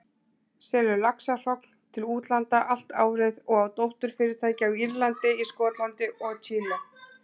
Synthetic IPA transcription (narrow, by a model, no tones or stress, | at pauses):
sɛːlʏlaksar̥ɔkn̥t̪ʰɪluːt̪lant̪aʔal̥t̪a̰ːwɾɪðɔɣawt̪owht̪ʏɾ̥fɪɾɪɾ̥t̪ʰaːjcɪawiɾlant̪ɪiskɔːt̪lant̪ɪɔɣt͡ɕʰiːla